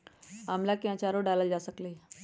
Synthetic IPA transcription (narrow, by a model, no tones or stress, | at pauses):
amlakjãt͡ɕaɾoɖaləld͡ʑasəkle